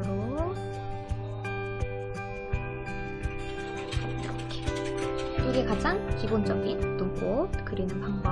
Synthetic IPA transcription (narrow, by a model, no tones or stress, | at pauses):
ɾo | t͈uɡekad͡ʑaŋkibond͡ʑʌɡit͈umk͈okɯɾinɯnpaŋ